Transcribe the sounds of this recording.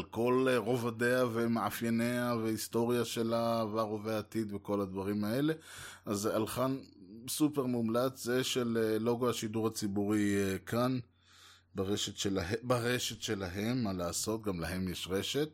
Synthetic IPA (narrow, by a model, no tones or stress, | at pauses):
alko̞lʁo̞vad̪eavemeʕafjaneavehist̪o̞ʁjaʃe̞lavaʁo̞veaːt̪id̪veko̞lad̪vaʁimae̞le̞ | ʔazalχansupeʁmumlat͡szeʃeleːo̞ɡohaʃid̪uʁhat͡sibuʁikʰan | baʁeʃet̪ʃelaɦebaʁeʃe̞tʃe̞laɦe̞mːalaːso̞t̪ɡamlaɦe̞mjeʃʁe̞ʃe̞t̪̚